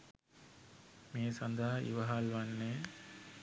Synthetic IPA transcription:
meːsand̪aɦaʔḭʋɐɦalʋanːe

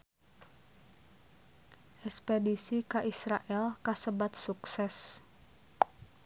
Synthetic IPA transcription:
ʔɛspedisikaʔisɾaʔɛlkasəbat̪̚suksɛs

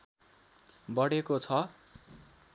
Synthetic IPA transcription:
bʌɽekot͡sʰʌ

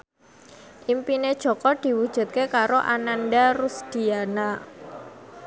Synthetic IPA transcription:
ʔimpined̥ʒ̥ɔ̤kɔd̪̥i̤wud̥ʒ̥ṳt̪̚kekaɾoʔananɖaɾusd̪̥i̤ana

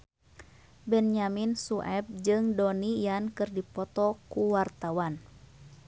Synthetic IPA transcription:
bɛnjaminsuʔɛb̚d͡ʒɨŋdɔnijankɨrdipɔt̪ɔkuwart̪awan

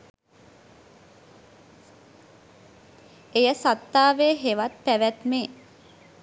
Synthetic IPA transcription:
ejəsat̪ːaːʋeːɦeʋat̪̚pæʋæt̪me

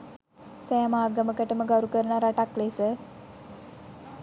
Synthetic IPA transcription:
sɛjamaːɡəməkəʈəməɡawɾukəɾənaɾaʈaklesə

